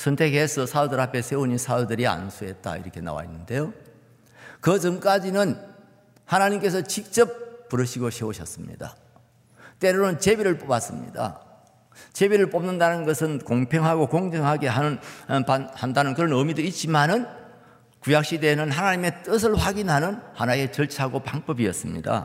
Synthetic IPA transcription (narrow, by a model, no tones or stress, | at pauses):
sʰʌntʰe̞ɡesʰʌsʰadodɯɾɦapʰesʰe̞uɲisʰadudɯɾia̰nsʰuɦe̞t̚t͈a̰ḭɾʌkʰe̞na̰wa̰inːɯnde̞jo | kɯd͡ʑʌŋk͈ad͡ʑinɯn | hanaɲimk͈e̞sʰʌt͡ɕik̚t͡ɕ͈ʌp̚p͈ːuɾɯɕʰiɡoɕʰeoɕʰʌ̰s͈ɯmɲḭda̰ | t͈e̞ɾonɯnt͡ɕe̞biɾɯɭpobas͈ɯmɲḭda̰ | t͡ɕe̞biɾɯɭp͈omnɯndanɯnɡʌsʰɯnkoŋpʰeŋɦaɡokoŋd͡ʑʌŋɦaɡe̞ɦanɯnpahandanɯnkɯɾʌnɯmidoit̚t͡ɕ͈imanɯn | kujak̚ɕ͈ide̞nɯnɦanaɲime̞t͈ɯsʰɯɭɸwaɡinɦanɯnhanae̞t͡ɕʌɭt͡ɕʰaɡopaŋbʌbiʌs͈ɯmɲḭda̰